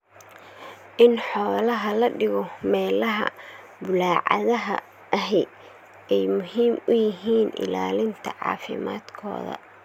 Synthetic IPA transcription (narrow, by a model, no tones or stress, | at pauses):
ʔɪnħɔːlɐɦɐlɐɖɪɣɔmɛːlɐɦɐ̰ | bʊlaːʕɑ̰ðɐɦɐ̰ | ʔɐɦɛj | ɛjmʊhiːmʊjɪɦiːnʔɪ̰laːlɪnt̪ʰɐʕɑ̰ːfɪ̰ma̰ːd̪kʰɔ̰ːðɐ̰